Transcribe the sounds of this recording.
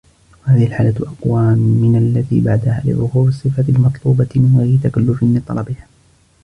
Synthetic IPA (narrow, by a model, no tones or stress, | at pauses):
wahaːðɪhɪlħaːlatʔɑqwaːmːɪnalːat̪ḭːbaʕd̪ahaːlɪ̰ʕʊhuːɾɨsˤːɨfat̪ɪlmɑt̪ˤluːbɑmɪnɣajɾɪt̪akalːʊfɪnmɪnt̪ˤɑ̰lɑbɪhaː